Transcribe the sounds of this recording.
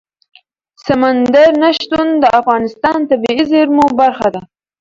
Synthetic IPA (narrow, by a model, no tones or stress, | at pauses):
samand̪aɾnaʃt̪und̪əʔafɣɑnɪst̪ɑnt̪abiizeɾmobaɾxad̪a